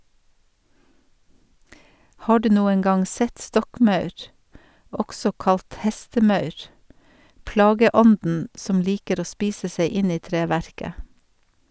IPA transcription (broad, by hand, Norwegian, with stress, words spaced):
ˈhɑː ˈɖʉː ˈnuːən ˈɡɑŋ ˈsɛt ˈstɔkˌmɑʉɾ ˈɔɡsɔ ˈkɑlt ˈhɛstəˌmɑʉɾ ˈplɑːɡəˌɔndn̩ ˈsɔm ˈliːkəɾ ˈoː ˈspiːsə ˈseɪ ˈɪn ˈiː ˈtɾeːˌʋæɾkə